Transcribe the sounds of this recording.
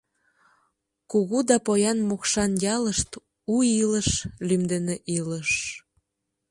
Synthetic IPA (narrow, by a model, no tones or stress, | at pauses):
kuɣud̪ɑpojɑnmokʃɑnjɑləʃt̪ | uiləʃlymd̪eneʔiləʃ